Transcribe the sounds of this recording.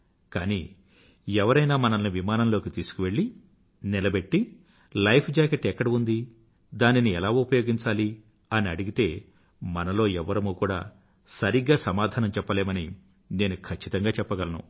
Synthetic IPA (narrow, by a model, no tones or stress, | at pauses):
kaːniː | ɛʋɐɾɐjnaːmɐnɐmniʋimaːnɐmlo̞ːkit̪iːsu̥kuʋe̞ɭːi | nilɐbe̞ʈːi | lɐjpʰd͡ʒaːkeʈːɛkːɐɽɐund̪i | d̪aːniniɛlaːupɐjo̞ːɡiɲt͡ʃaːli | ɐniɐɽuɡit̪e̞ː | mɐnɐlo̞ːɛʋːɐɾɐmukuːɽa̰ː | sɐɾiɡːaːsɐmaːd̪ʱaːnɐmt͡ʃɛpːɐle̞ːmɐni | ne̞ːnukʰɐt͡ʃːit̪ɐŋɡaːt͡ʃɛpːɐɡɐlɐnṵ